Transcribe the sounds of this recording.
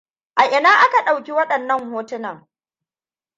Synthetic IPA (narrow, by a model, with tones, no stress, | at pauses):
ʔa˨ʔɪ˨naː˦ʔa˦ka˨ɗa˨wkʲi˦wɐ˦ɗɐ˨nːɐ˦ŋhoː˦tɪ˦na˨